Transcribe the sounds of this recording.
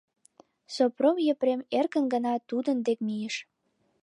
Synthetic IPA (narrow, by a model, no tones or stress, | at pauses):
sopromjəpɾemerkənɡənɑt̪ud̪ənd̪ek̚mijəʃ